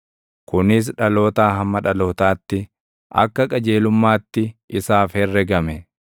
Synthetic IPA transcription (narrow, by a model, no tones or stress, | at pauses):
kʊnɪs̬ᶑɐlo̞ːt̪aːɦɐmːɐᶑɐlo̞ːt̪aːt̪ːɪ | ʔɐ̰kːɐkʼɐd͡ʒe̞ːlʊmːaːt̪ːɪɪsaːfhɛrːɛɡɐmɛ